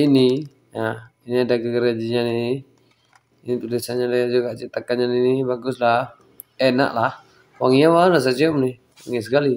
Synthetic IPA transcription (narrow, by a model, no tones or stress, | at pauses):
ini | na | iniadaɡəɡəɾad͡ʒiɲani | init̪ulɪsaɲadajad͡ʒuɡaʔt͡ʃit̪akaɲaninibaɡʊsla | ɛna̰ʔlah | waŋijawalas̬at͡ʃɛɔmnɪ | wa̰ŋisəkali